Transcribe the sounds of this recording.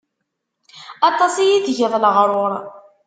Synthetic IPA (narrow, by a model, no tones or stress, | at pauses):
ɑt̪ˤɑsijiθʝəðˤləʁɾˤoɾˤ